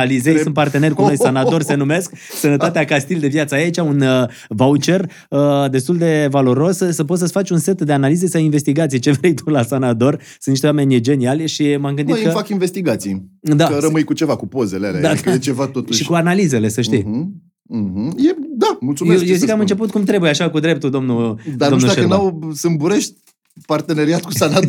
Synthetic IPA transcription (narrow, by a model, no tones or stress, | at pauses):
alizesɨnt̪part̪e̞ne̞rʲkuno̞jsanat̪o̞rse̞nume̞sksənət̪at̪eakast̪ild̪e̞vjat̪səajait͡ʃaunə | vaut͡ʃe̞r | əd̪e̞st̪uld̪e̞valo̞ɾo̞ssəpo̞t̪səsfat͡ʃʲunse̞t̪d̪e̞analizesawinve̞st̪iɡat̪sijet͡ʃe̞vɾejt̪ulasanat̪o̞rsɨniʃt̪ame̞nʲjed͡ʒe̞nialʲʃimamɡɨnd̪ij̪kməfakinve̞st̪iɡat̪sijd̪aəɾəmɨjkut͡ʃe̞vakupo̞zelea̰lead̪aket͡ʃevat̪ot̪uʃʃikuanalize̞le̞səʃt̪i | ɦ̩jed̪amult̪sujmeejezikːamɨnt͡ʃe̞put̪̚kumt̪ɾe̞bujeaʃakud̪ɾe̞p̚t̪ud̪o̞mnud̪adɾnomud̪anawsɨmbuɾeʃt̪̚ʲ | part̪e̞neɾiat̪kusana